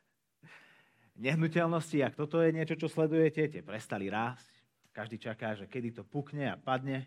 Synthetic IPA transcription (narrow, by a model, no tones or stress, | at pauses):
ɲɛɦnucɛlnɔsciak̚t̪ɔt̪ɔjɛɲɪɛt͡ʃɔt͡ʃɔslɛd̪ujɛcɛcɛpɾɛst̪aliɾaːsc | kaʒd̪iːt͡ʃakaːʒɛkɛd̪it̪ɔpukɲɛa̰pad̪ɲɛ